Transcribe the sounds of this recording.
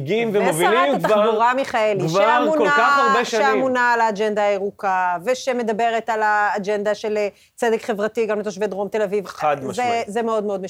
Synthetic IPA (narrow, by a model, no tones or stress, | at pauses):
ɡimvemovilimak̪avabuʁamiχaeliʃvammuolakaχaʁbeʃaʃeamunaːlaːd͡ʒend̪aːeʁukaveʃeme̞d̪abe̞ʁetalaːd͡ʒend̪aʃe̞le | t͡sedekχe̞vʁatiɡamlet̪oʃved̪ʁo̞mt̪e̞lavivad̪mzezemeo̞d̪meo̞d̪me